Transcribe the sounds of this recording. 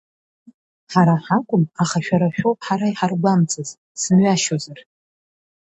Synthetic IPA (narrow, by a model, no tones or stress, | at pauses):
ħaɾaħakʷʼʊmaχaʃᶣaɾaʃᶣowpʼħaɾaiħarɡʷamt͡sʰʼɨz | sɨnɥaʃozar